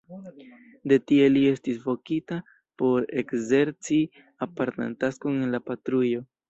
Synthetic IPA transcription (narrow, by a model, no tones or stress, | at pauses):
de̞tie̞lie̞stisvo̞kita | po̞ɾe̞kze̞ɾt͡si | apaɾta̰ntaskoŋnlapatɾujo̞